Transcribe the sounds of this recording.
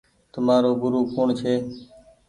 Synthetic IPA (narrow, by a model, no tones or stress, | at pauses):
t̪ʊmaːɾoːɡʊɾuːkuːɳt͡ʃʰeː